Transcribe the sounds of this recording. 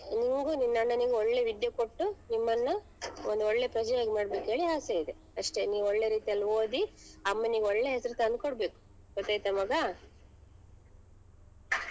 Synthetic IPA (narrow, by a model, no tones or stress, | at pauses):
niŋɡuninːɐɳːɐniɡeɔɭːe̞ʋid̪jɐko̞ʈːunimːɐnːɐ | ond̪uɔɭːe̞pɾɐd͡ʒɛjaːɡimaːɽbeːkɦe̞ːɭiaːseid̪e | ɐʂʈe̞niːʋoɭːe̞ɾiːt̪ijɐlːioːd̪iɐmːeniːɡɔɭːeɦesɐɾut̪ɐnd̪̚koɽbe̞ːku̥ | ɡ̥ɔt̪ːaːjt̪ɐmɐɡɐ